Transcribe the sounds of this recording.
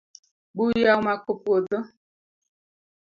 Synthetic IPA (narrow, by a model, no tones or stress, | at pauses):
ɡ͡bujaumakopuodɔ